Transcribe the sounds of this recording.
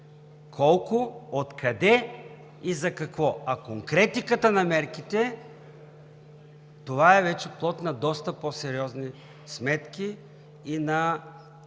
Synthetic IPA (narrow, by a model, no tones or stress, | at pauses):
kʰɔlˠkʊot̪kʰɐd̪ɛ | izɐkɐkvɔɐkoŋkɾɛt̪ikət̪ənɐmɛɾkit̪ɛ | t̪ovaɛvɛt͡ʃɛplˠɔt̪nɐd̪ɔst̪ɐposɛɾiɔzni | smɛt̪kʲiː | nɐ